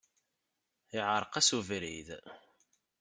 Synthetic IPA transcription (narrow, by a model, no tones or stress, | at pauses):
ɪʕɾˤqæsuvɾḭð